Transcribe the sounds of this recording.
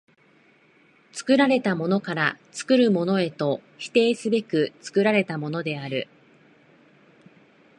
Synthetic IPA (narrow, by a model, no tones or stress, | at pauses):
t͡sɨ̥kɯ̟ɾaɾe̞t̪amo̞no̞kaɾat͡sɨ̥kɯ̟ɾɯ̟mo̞no̞e̞t̪o̞çi̥t̪e̞ːsɨbe̞kɯ̟t͡sɨ̥kɯ̟ɾaɾe̞t̪amo̞no̞d̪e̞aɾɯ̟